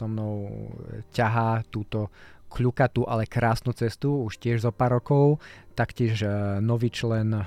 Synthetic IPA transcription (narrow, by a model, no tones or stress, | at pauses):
ɔmnɔʊcaɦaːt̪uːt̪ɔkʎukat̪uʔalɛkɾaːsnuːt͡sɛst̪uuʃcɪɛʒzɔpaːɾɔkɔʊt̪akcɪɛʒnɔʋiːt͡ʃlɛn